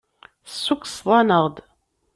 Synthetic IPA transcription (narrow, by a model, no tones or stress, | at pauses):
sːuksˤðˤɑnəʁˤd̪